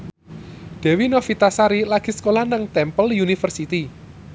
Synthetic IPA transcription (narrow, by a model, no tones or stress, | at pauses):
d̪̥ɛ̤winɔfit̪asaɾilaɡ̥i̤sə̥kolahnaŋt̪ɛmpəljunifərsit̪i